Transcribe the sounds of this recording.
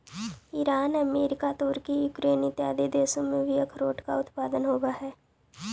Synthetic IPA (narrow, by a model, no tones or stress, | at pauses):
iɾaːnəmeːɾɪkat̪ʊɾkijuːkɾeːnit̪jaːd̪ed̪eːsõmẽʋʱɪjəkʰɾoːʈka̰ʊt̪paːd̪ənɦoːɡaɦɛː